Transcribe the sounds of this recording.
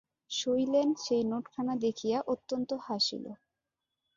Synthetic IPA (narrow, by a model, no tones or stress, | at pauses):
ʃojlenɖʃejnoʈkʰanad̪ekʰijaʔot̪ːont̪ohaʃḭlo̰